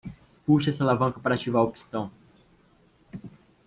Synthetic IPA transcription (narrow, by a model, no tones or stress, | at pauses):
puʃɛsɐlavɐ̃ŋkɐpaɾat͡ʃivaɾʊpi̥st̪ɐ̃w̃